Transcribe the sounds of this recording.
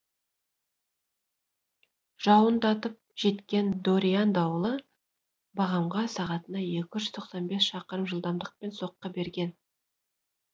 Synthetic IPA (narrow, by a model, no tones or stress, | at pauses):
ʒ̥ɑwənd̪ɑt̪əp̚ʒ̥e̞t̪kʲe̞nd̪oɾʲijand̪ɑwəlˠə | bɑʁɑmʁɑsɑʁɑt̪ənɑje̞kʲɪʒʏz̥t̪ʰoqsɑnbe̞sʃɑqəɾəmʒəlˠd̪ɑmd̪əq̚pe̞nso̞qːɑbe̞ɾɡʲe̞n